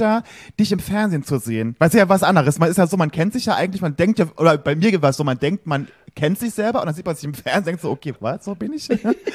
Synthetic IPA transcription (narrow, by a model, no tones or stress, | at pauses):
aː | d̥ɪçɪmfɛɐnzeːnt͡suzeːənvaɪsijaːvasʔandəʁəsmanɪstjaːzoːmankʰɛntz̥ɪçjaːʔa̰ɪɡŋ̩tlɪçmandɛŋktjaːʔoːdɐb̥aɪmiːɐɡɪtasz̥oːmandɛŋk̚tman | kʰɛntz̥ɪçz̥ɛlbɐʔʊ̰ndanziːt̚manzɪçɪmfɛɐnzeeŋtz̥oːʔokʰeːvasz̥oːbɪnɪç